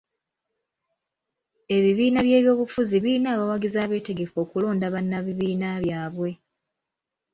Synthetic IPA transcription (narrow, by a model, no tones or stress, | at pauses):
e̞βiβiːnaβje̞ːβjo̞ːβufuziβiinaːβawaɡizaːβe̞ːte̞ɡe̞fo̞ːkulo̞ːndaβanːaβiβiːnaβjaːβwe̞